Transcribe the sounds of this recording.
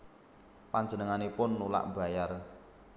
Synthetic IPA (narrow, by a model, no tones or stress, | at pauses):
paɲd͡ʒənəŋanepʊnːula̰ʔba̤jar